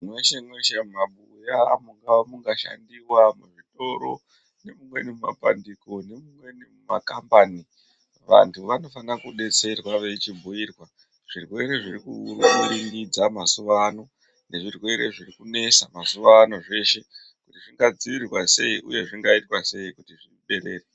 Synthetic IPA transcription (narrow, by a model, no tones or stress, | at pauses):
mweʃemweʃemaɓujamuŋɡaʋamuŋɡaʃa̰ndiwamuʐito̞ɾo̞̰ | ne̞mumwe̞nimuma̰pa̰ndiko̞ne̞mumwe̞nimumakambani | ʋa̰ntʰuʋano̞fanakuɗe̞t͡se̞rwaʋe̞t͡ʃimboiːrwa | ʐ̥irwe̞ɾe̞ʐirikuiɾiŋɡid͡zamasuʋano̞ | ne̞ʐirwe̞ɾe̞̰ʐirikune̞samasuʋano̞ʐe̞ːʃe̞ | kutiʐiŋɡad͡ziʋirwase̞iʔuje̞ʐiŋɡaitwase̞ikutiʐiiɓe̞ɾe̞ːre